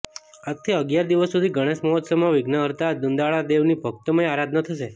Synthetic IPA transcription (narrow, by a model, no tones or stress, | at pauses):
ak̚t̪ʰiəɡjaɾd̪iʋəsːud̪ʱiɡʱəɽ̃eʃməɦɔt̪səmaʋɪɡnəəɾt̪ad̪und̪aɭad̪eʋnibʱək̚t̪əməeaɾad̪ʱnət̪ʰəʃe